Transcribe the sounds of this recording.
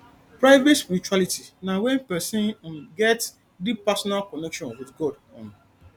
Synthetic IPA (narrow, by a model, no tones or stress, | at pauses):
pɾaɪvetmut͡ʃualitinawɛ̃npɛsĩnãnɡɛt | dipasɔnalkɔnɛkʃɔ̃nwɪdɡɔd | ɔ̰̃n